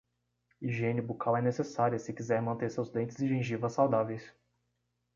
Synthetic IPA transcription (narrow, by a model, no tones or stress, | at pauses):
iʒẽnɪbukawɛnesesaɾiɐsɪkizɛɾ̃mɐ̃nt̪eɾsewzd̪ẽnt͡ʃɪzɪd͡ʒiẽʒivɐsːawd̪avejs